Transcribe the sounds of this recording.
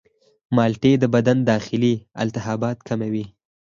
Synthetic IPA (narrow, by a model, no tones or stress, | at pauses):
mɑlʈed̪əbad̪and̪ɑxɪliɪ̰lt̪ɪɦɑbɑt̪kamawi